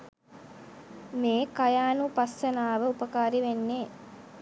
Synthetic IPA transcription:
meːkɐjaːnupɐsɐnaːʋəupɐkaːɾiʋenːeː

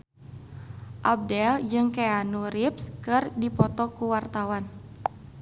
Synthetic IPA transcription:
ʔab̚dɛld͡ʒɨŋkeanuɾipskɨrdipɔt̪ɔkuwart̪awan

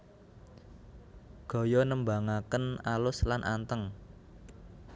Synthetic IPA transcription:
ɡ̥ɔ̤jɔnəmbaŋakənalʊslanʔant̪əŋ

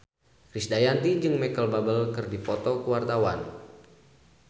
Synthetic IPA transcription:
kɾisdajant̪id͡ʒɨŋmɛkəlbabəlkɨrdipɔt̪ɔkuwart̪awa̰n

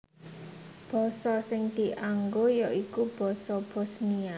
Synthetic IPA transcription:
b̥ɔ̤sɔsɪŋd̪̥i̤ʔaŋɡojɔʔikub̥ɔ̤sɔb̥o̤snia

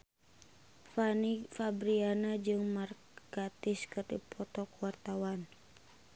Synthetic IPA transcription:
fanifabɾianad͡ʒɨŋmar | kat̪iskərd̪ḭpʰɔt̪ɔkwart̪awan

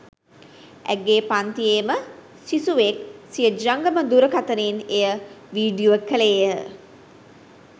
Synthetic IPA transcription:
æ̰ɡːeːpant̪ijeːmə | sisuʋek̚sijəd͡ʒaŋɡəməd̪uɾəkat̪əneːnejəʋiːɖijoʋəkəleəə

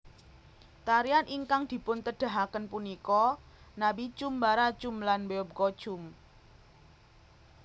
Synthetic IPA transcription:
t̪aɾianʔiŋkaŋd̪̥i̤pʊnt̪əɖ̥a̤ɦakənpunikɔ | nabit͡ʃumbaɾat͡ʃumlanbeɔb̚kɔ̥t͡ʃʊm

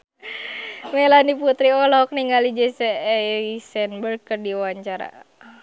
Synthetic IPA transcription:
melaniput̪ɾiɔlɔk̚niŋalid͡ʒɛsɛisɛnbərkərdiwaɲt͡ʃaɾa̰

